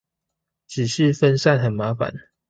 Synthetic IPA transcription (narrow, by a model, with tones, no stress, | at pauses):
t͡ʃ̩˨˩ʂɻ̩˥˨fə˦nsa˥˨nxə˨˩nma˨˦fa̰˨˦n